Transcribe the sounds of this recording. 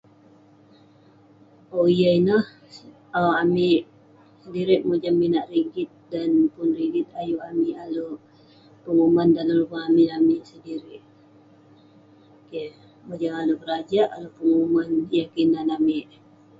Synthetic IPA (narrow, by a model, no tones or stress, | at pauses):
oijəinah | aamɪʔ | sədiɾɪʔmud͡ʒamminaʔriɡɪt̪̚danpʊnriɡɪt̪̚ajuamiʔaloʔ | pəŋumandaləlumaamiamiʔsədiɾɪʔ | ke | mod͡ʒaŋalokəɾad͡ʒaʔalokəŋumanjakinanamɪʔ